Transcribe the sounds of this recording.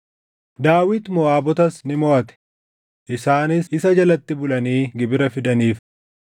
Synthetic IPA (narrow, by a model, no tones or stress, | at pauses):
d̪aːwɪt̪mɔaːbɔt̪ɐsnɪmɔʔɐt̪ɛ̥ | ʔɪsaːnɪsɪsɐd͡ʒɐlɐt̪ːɪbʊlɐniːɡɪbɪɾɐfɪd̪ɐniːf